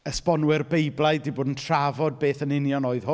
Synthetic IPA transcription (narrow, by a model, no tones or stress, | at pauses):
əspɔnwɪrbejblˠajdiboːdən̩tʰravɔd̚beːθənɪnjɔnoːɨð̥hʊ